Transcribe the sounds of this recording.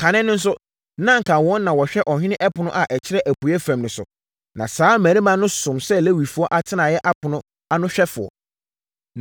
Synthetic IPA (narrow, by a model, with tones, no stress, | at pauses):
kʰã˨nɪ̃˦nʊ̃˦n̩˦s̬ʊ˦ | nã˦ŋ̩˨kʰa˨wɔ̃˨˦nː˦ã˨wɔ˨ɕᶣɛ˦ʔɔ˨hᶣɪ˦nɪ̃˦ʔɛ˦pʰʊ˨nʊ̃˦ʔa˨ʔɛ˨t͡ɕʰɪ˦ɾɛ˦ʔæ˨pu˨ɛ˦fæ̃˨mnʊ̃˨sʊ̰˨ | nã̰˨saː˨˦mæ̃˨nĩ˦mã˦nʊ̃˦sʊ̃˨msɛ˦læ˦wi˨fu˦ɔ˦ʔa˨tʰɪ˦nã˨jɛ˦ʔa˦pʰʊ˨nʊ̃˦ | a˦nʊ̃˦ɕᶣɛ˦fʊ˨ɔ̰˨